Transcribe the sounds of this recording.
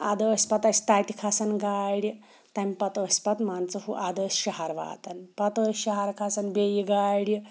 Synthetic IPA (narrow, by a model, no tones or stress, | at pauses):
ad̪əsʲpat̪ɐsi̥t̪at̪ikʰasɐnɡaɽʲ | t̪amʲpɐt̪əːsʲpat̪mant͡sɐɦuʔad̪əsɕɐɦaɾʋa̰ːt̪ɐnpɐt̪əɕɐɦaɾkʰasɐnbejiɡaɽʲ